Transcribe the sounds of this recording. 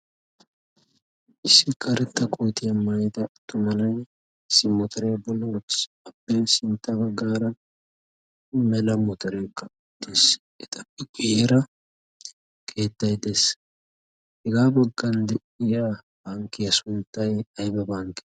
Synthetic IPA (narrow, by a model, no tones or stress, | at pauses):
ʔɪsːɪkɐɾɛt̪ːɐkʼojt̪ɪjɐmɐjt̪ɐt̪ːʊmɐnɐj | ɪsɪmɔt̪ʰɐɾejbɔlːɐwɔt͡ʃːɪ̥s | ɐpːeːnsɪnt̪ːɐbɐɡːaːɾɐ | mɛlɐmɔt̪ɐɾeːkʼːɐ | d̪es | ʔɛt̪ʼɐpːɪkʼʊjeɾɐ | kʰe̞ːt̪ːɐjd̪es | hɛɡaːbɐɡːɐnd̪ɛʔɪja | b̥aːŋkɪjɐsʊnt̪ːɐjɐjbɐbaːŋkɪ̥